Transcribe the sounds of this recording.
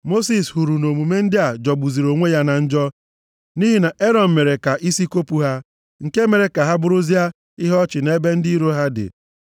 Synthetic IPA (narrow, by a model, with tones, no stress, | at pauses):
mo˦si˨shu˨ɾu˨no˨mu˨me˦n̩˦dɪ˦a˨d͡ʒɔ˨ɡ͡bu˨zi˨ɾo˨ŋʷe˦ja˦na˨n̩˦d͡ʒɔ˦ | ni˦ɦi˦na˨ʔe˦ɾɔ˨m̩˨me˨ɾe˨ka˨ʔi˦si˦ko˦pu˨ɦa˦ | ŋ̩˨ke˦me˨ɾe˨ka˨ɦa˦bʊ˦ɾʊ˦zi˦a˦ | ɪ˦ɦɔ˦t͡ʃɪ˨ne˦be˦n̩˦di˦ɾo˦ɦa˦dɪ̰˨